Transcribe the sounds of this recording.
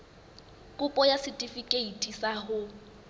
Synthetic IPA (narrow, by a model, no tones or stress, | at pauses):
kʼʊpʼɔjasɪtʼifikʼeitʼisaɦʊ